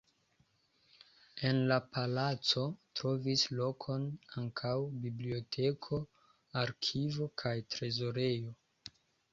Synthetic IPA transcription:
e̞nlapalat͡so̞tɾo̞vislo̞kʰo̞naŋkʰawbiblio̞tʰe̞kʰo̞ | aɾkʰivo̞kʰajtɾe̞zo̞ɾe̞jo̞

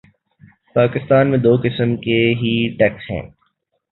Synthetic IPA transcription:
paːkɪst̪aːnmẽd̪oːkɪsəmkeɦiʈɛːkshɛ̰̃ː

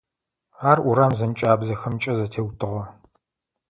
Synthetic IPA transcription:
aːrʔʊɾaːmzɐnt͡ʃʼaːbzɐxɐmt͡ʃʼɐzɐtʰeːwtʰɨʁɐ

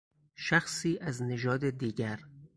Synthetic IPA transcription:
ʃæxsiːʔæzneʒɒːd̪ed̪iːɡæɾ

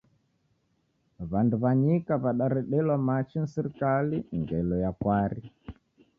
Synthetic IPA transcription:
βanduβaɲikaβaɗaɾɛɗɛlwamat͡ʃin̩siɾikaliŋɡɛlɔjakwaɾi

